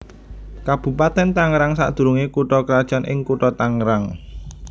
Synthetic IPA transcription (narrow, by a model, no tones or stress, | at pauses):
kab̥ṳpat̪ɛnt̪aŋɾaŋsa̰ʔd̪̥ṳɾuŋekuʈɔkəɾad̥ʒ̥a̤nʔɪ̰ŋkuʈɔt̪aŋɾaŋ